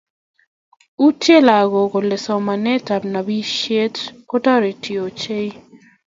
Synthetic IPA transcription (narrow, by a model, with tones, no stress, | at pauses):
u˦tje˦la˨ɡo˨ko˨lɪ˨sɔ˨ma˨nɛ˦ta˨pna˨bi˦ʃe˦tko˦tɔ˦ɾe˨tʰi˨o˨t͡ʃe˦j